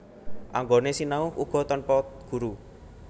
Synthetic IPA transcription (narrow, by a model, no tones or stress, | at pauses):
ʔaŋɡonesinaʊhuɡ̥ɔ̤t̪ɔnpɔt̪̚ɡ̥ṳɾu